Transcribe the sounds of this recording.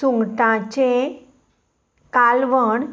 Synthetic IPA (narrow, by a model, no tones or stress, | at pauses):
uŋɡʈ̪ãt͡ɕe | kalʋəɳ